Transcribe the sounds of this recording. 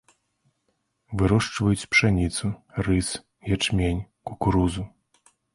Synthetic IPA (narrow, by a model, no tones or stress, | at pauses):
vɨɾɔʂt͡ʂvɐjut͡sʲpʂanʲit̪surɨs | jat͡ʂmʲenʲ | kukɾuzu